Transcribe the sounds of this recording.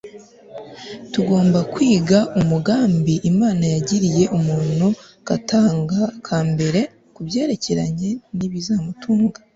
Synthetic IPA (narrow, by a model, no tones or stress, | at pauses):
tuɡo̞ːmbakwiːɡaʔumuɡaːmbiʔimaːnajaɟiɾije̞ʔumuːn̥hu | kataːŋɡakʰaːmbe̞ɾe̞ | kubje̞ːɾe̞ce̞ɾaɲe̞niβizaːmutuːŋɡa